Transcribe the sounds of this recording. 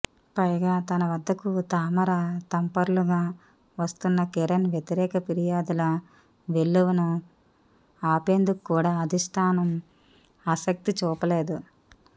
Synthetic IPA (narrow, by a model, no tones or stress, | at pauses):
pɐjɡaːt̪ɐnɐʋɐd̪ʱːɐkut̪aːmɐɾat̪ɐmpɐɾluɡaː | ʋɐst̪unːɐkeɾɐnʋjet̪iɾɛːkɐpiɾijaːd̪ulɐ | ʋe̞lːuʋunɐ | aːpeːnd̪uku̥kːuːɽaːɐd̪ʱisʈ̪ʰaːnɐm | ɐsɐk̚t̪it͡ʃuːpɐle̞ːd̪u